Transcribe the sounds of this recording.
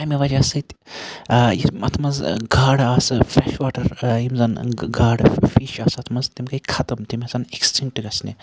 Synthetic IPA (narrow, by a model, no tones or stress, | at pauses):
ɐmiʋad͡ʒaːsɐt̪ | jimɐt̪ʰmɐzɡaːɽaːsɨfɾɛːʃʋaːʈɐɾjimzɐnɡaːɽfiːʃaːsɐt̪ʰmɐzt̪imkɐikʰɐt̪ɐmt̪imʲɐsɐneksʈiŋk̚ʈɨɡɐsni